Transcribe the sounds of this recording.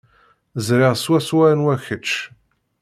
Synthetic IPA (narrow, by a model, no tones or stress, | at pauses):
zɾiʁswæswæɾnwæçət͡ʃː